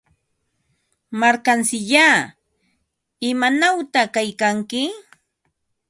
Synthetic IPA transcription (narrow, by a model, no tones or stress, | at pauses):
maɾkansɪʎaː | ɪmanawt̪akajkaŋkɪ